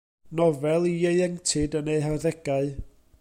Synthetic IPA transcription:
nɔvɛlˠiejɛŋtʰɪdəneɨɦaðɛɡaɨ

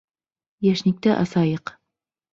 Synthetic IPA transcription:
jæʃnik̚t̪æʔɑsɑjɤq

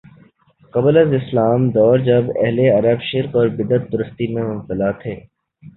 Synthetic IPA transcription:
kɐbləzɪslaːmd̪ɔːɾd͡ʒɐbɛ̰ɦleɐɾəbʃɪɾkɔːɾbɪd̪ət̪̚b̪ʊɾəst̪imẽmʊmt̪əlaːt̪ʰeː

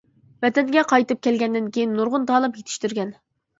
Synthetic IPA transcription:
vɛt̪ʰɛnɡʲɛqʰɑjt̪ɨp̚kʲɛlɡʲɛnd̪ɪnkʲʰejinːuɾʁʊnd̪ɑːlˠɨmjet̪ʰɪ̥ʃt̪yɾɡʲɛn

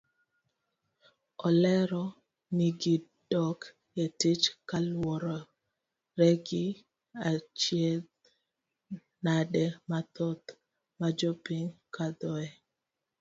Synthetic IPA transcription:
ɔlɛɾɔ | niɡidɔk | etɪt͡ʃkalwɔɾɔ | ɾeɡi | at͡ʃjɛl | nadɛmat̪ɔt̪ | mad͡ʒopiŋkad̪ɔɛ

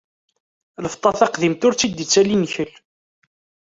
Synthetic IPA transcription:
ləft̪ˤɑθɑqðimt̪ʊɾt͡sːid̪it͡sːælinçəl

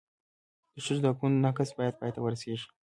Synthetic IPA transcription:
d̪̥əʂəzd̪akunnakasbɑjad̪̚pɑjat̪awəɾaseʐi̥

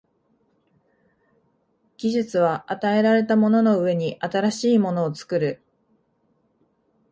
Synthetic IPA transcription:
ɡ̥ʲiʑɨt͡sɨβ̞aʔat̪ae̞ɾaɾe̞t̪amo̞no̞no̞ɯ̟e̞ɲ̟iʔat̪aɾaɕiːmo̞no̞ːt͡sɨ̥kɯ̟ɾɯ̟

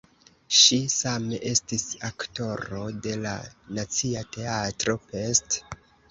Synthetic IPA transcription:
ʃisameʔe̞stisakto̞ɾo̞de̞la̰nat͡siate̞atɾo̞pe̞st

